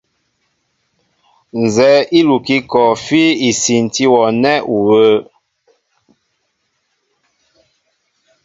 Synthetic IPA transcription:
n˨zɛ˨˦i˦lu˨ki˦kɔ˨fi˦i˨si˨n˨ti˦wɔ˨nɛ˦ʔu˨wə˦

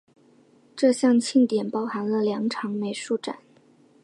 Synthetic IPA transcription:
ʈ͡ʂɤ˥˧ɕjɑ˥˧ŋt͡ɕʰi˥˩ŋt̪jɛ˨˩npɑ˥ʊxa˧˥nlə˧ljɑ˧˥ŋʈ͡ʂʰɑ˧˥ŋme˧˥ɪʂu˥˩ʈ͡ʂa̰˨˩˦n

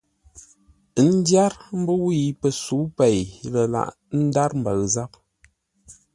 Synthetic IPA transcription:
n̩˦dja˦ɾm̩˦bə˦wi˦˨pə˨su˨˦pe˨jlə˨la̰˨ʔ | n̩˦da˦ɾm̩˨bə˨ɣza˦p̚

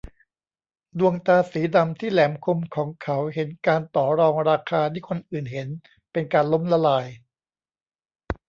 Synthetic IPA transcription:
du˧əŋt̪aː˧siː˩˦da˧mt̪ʰiː˥˩lɛː˨˩˦mkʰo˧mkʰɔː˩˦ŋkʰa˩˦wɦe˩˦nkaː˧nt̪ɔː˩˦ɾɔː˧ŋɾaː˧kʰaː˧t̪ʰiː˥˩kʰo˧nʔɯː˨˩nɦe˩˦n | pe˧nkaː˧nlo˦˥mla˧laː˧j

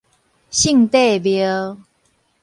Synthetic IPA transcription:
ɕi˥˧˨ŋt̪e˥˨bjə˧˦

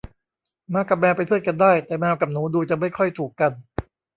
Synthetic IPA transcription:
maː˧˥ka˨˩mɛː˧wpa˧jt̪ʰpʰɯ˥˩t̪̚ka˧ndaː˥˩jt̪ɛː˨˩mɛː˧wka˨˩p̚nuː˩˦˥duː˧t͡ɕa˨˩ma˥˩jkʰɔ˥˩jt̪ʰuː˨˩kːa˧n

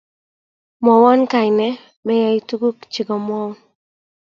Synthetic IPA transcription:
mɔ˨wɔ˦nka˨ɪ˨nɛ˦ | mɛ˦ja˨i˦tu˦ɡu˦kt͡ʃɪ˨ɡɔ˨m˦ɔ˦wn

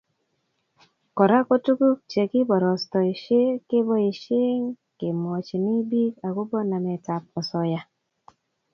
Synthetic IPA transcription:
kɔ˨ɾa˦ko˦tu˦ku˦k̚t͡ʃe˨kɪ˦bɔ˨ɾɔ˨stɔ˨i˨ʃe˦ke˦bɔ˦i˨ʃɪ˦ŋ | ke˨mɔ˨t͡ʃi˨ni˦bi˦ka˨ɡu˦bɔ˦na˨mɛ˨ta˨p̚ɔ˨sɔ˨ja˨

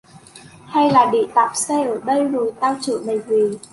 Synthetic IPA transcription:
ha˧jlaː˨˩ɗḭ˧˨t̪a̰ː˧˨˩p̚se˧ʔəː˧˩ɗə˧jzo˨˩jt̪aː˧wt͡ɕɨ̰˧˨mə˨˩jvi˨˩

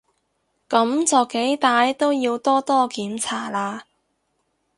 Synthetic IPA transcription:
kɐ˨˥mt͡sɔː˨˩ke˨˥jt̪aː˨˧jt̪o˥wjiː˧wt̪ɔː˥t̪ɔː˥kiː˨˥mt͡sʰaː˨˩laː˧

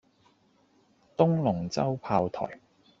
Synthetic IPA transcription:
t̪ʊ˥ŋlʊ˨˩ŋt͡sɐ˥wpʰaː˧wt̪ʰɔ̰ː˨˩j

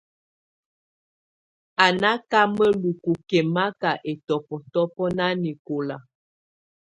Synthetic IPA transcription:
a˨na˦ka˦mə˦lu˨ku˨kɛ˨ma˦ka˨ʔe˨tɔ˨pɔ˨tɔ˦pɔ˦na˦ni˨ko˨la˨

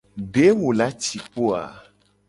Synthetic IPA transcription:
ɖe˦mõ˨la˦t͡ʃi˨k͡po˦a̰˨

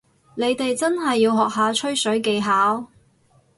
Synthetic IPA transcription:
ne˨˧jt̪e˨jt͡sɐ˥nɦɐ˨jːiː˧wɦɔː˨k̚ɦaː˨˧t͡ʃʰɵ˥ɥsɵ˨˥ɥke˨˧jɦaː˨˥w

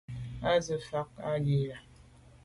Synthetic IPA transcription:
a˦zə˨fa˦k̚a˦li˦la˨

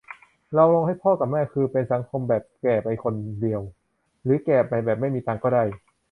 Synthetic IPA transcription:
ɾa˧wloː˧ŋha˥˩jpʰɔː˥˩ka˨˩p̚mɛː˥˩kʰɯː˧pe˧nsa˩˦ŋkʰo˧mbɛː˨˩p̚kɛː˨˩p̚ʔa˧jkʰo˧ndi˧əw | ɾɯː˩˦kɛː˨˩pʔa˧jbɛː˨˩p̚ma˥˩jmiː˧t̪aː˧ŋkɔː˥˩da˥˩j

